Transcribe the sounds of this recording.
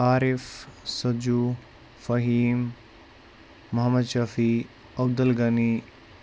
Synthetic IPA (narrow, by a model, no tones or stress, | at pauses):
aːɾifsɐd͡ʒu | fɐɦiːm | ɐɦɐmɐd̪ʃɐfi | ɐb̚d̪ɐlɡɐni